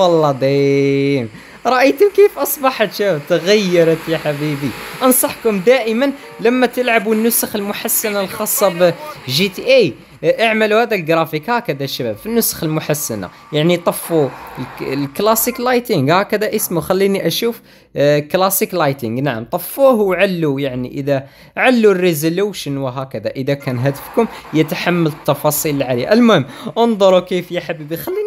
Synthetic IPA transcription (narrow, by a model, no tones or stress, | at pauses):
wɑlːɑd̪æjəm | ɾˤɑʔəjt̪ʊmkifʔɑsˤbɑħət̪ʃæbæbt̪ɣæjːɑɾˤət̪jaħabibiʔɑnsˤɑħkʊmd̪æʔəmən | læmːæt̪əlʕabunːʊsəxəlmʊħasːænalxɑsˤːɑbʒit̪iʔi | ʔʕmæluhæd̪ælɡɾɑfikhækəd̪æʃæbæbfinːʊsxəlmʊħasːæna̰ | jaʕnit̪ˤɑfːullklæsiklɑjt̪ɪŋɡhækəd̪æʔəsmuxælːiniʔæʃuf | klæsiklɑjt̪ɪŋɡnaʕamt̪ˤɑfːuhwʕalːujaʕnḭʔəd̪æ | ʕalːurːizoluʃənwəɦækəd̪æʔəd̪ækænɦæd̪əfkʊmjət̪ħamːælət̪ːɑfɑsˤilʕaliʔælmʊhəmːənd̪ˤoɾˤukifjəħabibixælːi